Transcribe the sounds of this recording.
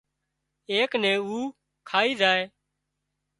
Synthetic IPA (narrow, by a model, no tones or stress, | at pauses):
eːknɛ̃ːuː | kʰaːiːzaːeː